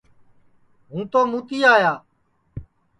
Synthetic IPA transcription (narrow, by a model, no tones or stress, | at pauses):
ɦũːt̪oːmũːt̪iːaːjaː